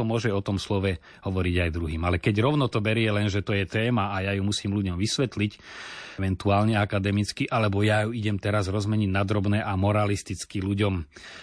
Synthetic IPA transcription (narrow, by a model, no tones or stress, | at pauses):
ɔmʊɔʒɛɔt̪ɔmslɔʋɛ | hɔʋɔɾiɟajd̪ɾuɦiːmalɛkɛɟɾɔʊnɔt̪ɔbɛɾɪɛlɛnʒɛt̪ɔjɛt̪ɛːmaːjajumusiːmluɟɔmʋisʋɛt̪licʋɛnt̪uaːlɲɛakad̪ɛmit͡skiʔalɛbɔjajuiɟɛmt̪ɛɾazɾɔzmɛɲiɟnad̪ɾɔbnɛːʔamɔɾalist̪it͡skiluɟɔm